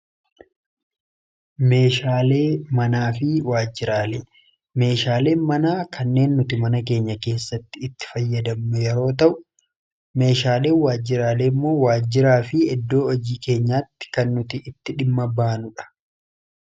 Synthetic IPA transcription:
me̞ːʃaːle̞ːmɐnaːfɪwaːd͡ʒːɪɾaːle | me̞ːʃaːle̞ːnmɐnaːkʰɐnːe̞ːnːʊt̪ɪmɐnɐk̬e̞ːɲːɐke̞ːsːɐt̪ːɪːt̪ːɪ̥fɐjːɐd̪ɐmːɛjɛɾo̞ːt̪̬ɐʔʊ | me̞ːʃaːle̞ːwaːd͡ʒːɪɾaːleːmːo̞ːwaːd͡ʒːɪɾaːfɪɛd̪ːo̞ːɔd͡ʒiːke̞ːɲːaːt̪ːɪ̥kɐnːʊt̪ɪʔɪt̪ːɪᶑɪmːɐbaːnʊᶑɐ̥

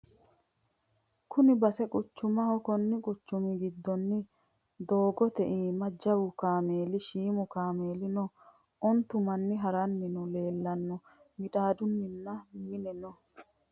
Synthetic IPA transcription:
kʊnɪbɐsɛkʼʊt͡ʃːʊmɐhɔkɔnːɪkʼʊt͡ʃːʊmɪɡɪd̪ːɔnːɪ | d̪o̞ːɡɔt̪ɛʔiːmɐd͡ʒɐwʊkaːme̞ːlɪʃiːmʊkaːmeːlɪnɔ | ɔnt̪ːʊmɐnːɪɦɐɾɐnːɪnʊle̞ːlːɐnːɔ | mɪᶑaːd̪ʊnːɪnːɐmɪnɛnɔ

